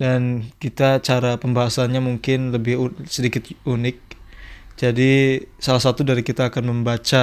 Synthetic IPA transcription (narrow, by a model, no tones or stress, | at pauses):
dankit̪at͡ʃaɾapəmbaɦasanɲamuŋkɪnləbɪhusədikɪt̪̚unɪk̚d͡ʒadisalahsat̪udaɾikit̪aːkanməmbat͡ʃa